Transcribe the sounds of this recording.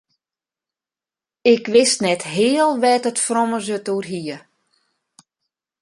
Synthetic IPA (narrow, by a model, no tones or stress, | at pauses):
ɪkʋɪstnɛtɦɪːəlˠʋɛtətfroməzəturɦiə